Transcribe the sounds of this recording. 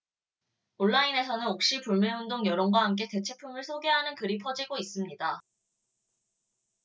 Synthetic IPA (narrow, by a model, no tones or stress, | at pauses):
oɭːaine̞sʰʌnɯnok̚ɕ͈ipuɭmeundoŋjʌɾʌŋɡwaɦamk̬͈e̞te̞t͡ɕʰe̞pʰumɯɭsʰoɡe̞ɦanɯnkɯɾipʰʌd͡ʑiɡois͈ɯmɲida